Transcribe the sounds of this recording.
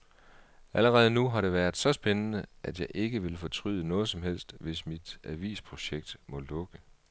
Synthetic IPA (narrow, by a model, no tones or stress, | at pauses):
æləʁɛːð̞ˠnuɦɑ̈ɾ̥e̝ʋæɐð̩ˠsɒ̽sb̥enənəʔæd̥jɑ̈ɪʔe̝ɡ̥əʋe̝lfɒ̽t͡sʰʁy̰ðˠənɔ̽ːðˠsɒ̽mɦel̰sd̥ʋe̝smid̥æʋḭːspʰʁo̝ɕeɡ̥̚d̥mɒ̽lɔ̽ɡ̥ə